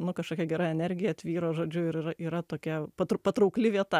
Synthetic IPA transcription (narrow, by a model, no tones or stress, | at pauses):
nʊkɐʃkoːkʲɛɡʲɛɾɑɛnʲɛɾʲɡʲɪjɛɐt̪ʲʋʲiːɾoːʒoːd͡ʒʲʊɪɾɪɾɐʔiːɾɐt̪oːkʲɛpɐt̪pɐt̪ɾɐʊklʲɪʋʲiɛt̪ɐ